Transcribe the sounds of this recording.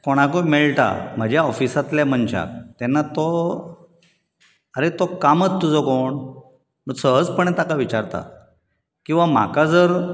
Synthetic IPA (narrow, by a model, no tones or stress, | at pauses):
koɽ̃akomeɭʈ̪a̰m̤əd͡ʑjaɔfisat̪ljaməɳt͡ɕa̰kt̪ɛnːat̪o | əɾet̪okamət͡st̪ːud͡zɔkoɳ | məsəɦəd͡zpəɳ̃ɛt̪akaʋit͡ɕaɾt̪a̰ | kĩw̃ʋam̤akad͡zəɾ